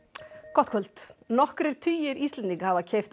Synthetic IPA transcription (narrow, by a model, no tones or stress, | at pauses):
kɔt̪kʰœlt̪nɔhkɾɛɾ̥t̪ʰyːjɪɾist̪lɛnt̪iŋkhaːvacʰejft̪